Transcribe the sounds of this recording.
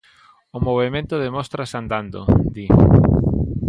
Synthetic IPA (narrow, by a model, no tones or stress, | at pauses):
ʊmoβ̞emẽnt̪ʊðemɔst̪ɾasand̪and̪o̰d̪i